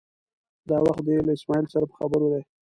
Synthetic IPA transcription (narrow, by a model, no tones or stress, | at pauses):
d̪ɑwaxt̪̚d̪əlaɪsmɑilsaɾapə̥xabəɾod̪aj